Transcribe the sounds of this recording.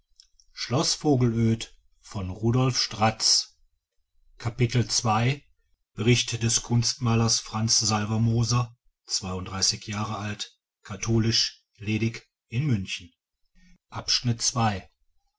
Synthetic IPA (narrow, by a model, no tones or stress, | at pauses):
ʃlɔsfoːɡl̩øːt | fɔnʁuːdɔlfʃtʁ̥at͡s | kʰapɪtl̩t͡sv̥aɪ | b̥əʁɪçtd̥ɛskʰʊnstmaːlɐsfʁ̥ant͡szalvɐmoːzɐ | t͡sv̥aɪʊntd̥ʁaɪsɪçjaːʁəalt | kʰatʰoːlɪʃ | leːdɪk | ʔɪnmʏnçn̩ | ʔapʃnɪtt͡sv̥aɪ